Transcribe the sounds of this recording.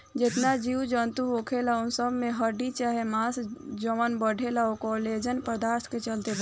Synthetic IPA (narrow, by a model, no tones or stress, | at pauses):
d͡ʒɪt̪nad͡ʒiwd͡ʒənt̪uokʰelaʊnsəbmẽɦəɾɖit͡ʃaɦemãːsd͡ʒəmənbəɖʱelaokɔled͡ʒənpɾəd̪aːɾsket͡ʃəlt̪eb